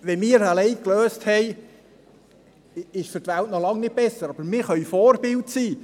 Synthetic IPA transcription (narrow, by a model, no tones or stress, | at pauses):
ʋɛmɪːɾalɛɪkløːsthɛɪ | ɪʃfʏɾtʋæltnɔlɑŋnɪt̚bɛsəɾɑbəɾmɪːɾχœʏfɔːɾbɪltsiː